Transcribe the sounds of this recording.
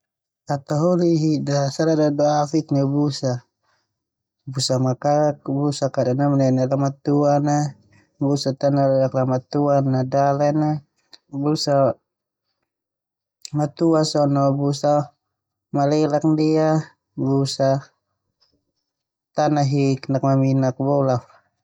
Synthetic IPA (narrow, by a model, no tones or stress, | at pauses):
at̪aɦɔliɦidasaɾadadɔafiknabusa | busamakak̚busakadanamananalamat̪uana | busat̪analɛlaklamat̪uanadalɛna | busa | mat̪uasɔnɔbusa | malɛlak̚ndia | busa | t̪anaɦiknak̚maminak̚bɔlaf